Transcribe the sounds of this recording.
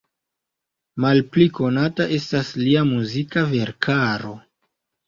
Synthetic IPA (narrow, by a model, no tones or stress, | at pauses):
malpliko̞nataʔe̞stasliamuzikave̞ɾkʰaɾo̞